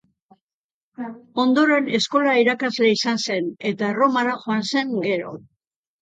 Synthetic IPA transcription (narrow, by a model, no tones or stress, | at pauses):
o̞nd̪o̞ɾe̞ne̞sko̞laiɾakazle̞isanse̞ne̞t̪aro̞maɾaʝoanse̞ŋɡe̞ɾo̞̰